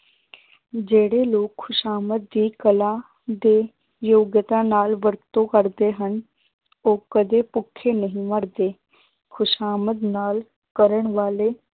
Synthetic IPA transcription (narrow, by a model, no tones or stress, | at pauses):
d͡ʒeːɽeːloːkʰːʊʃaːmət̪̚d̪iːkəlãː | d̪eː | joːɡjət̪ãːnaːlʋəɾt̪õːkəɾd̪eːɦən | oːkəd̪eːpʊkʰːeːnəɦĩːməɾd̪eː | kʰʊʃaːməd̪naːl | kəɾəɳʋaːleː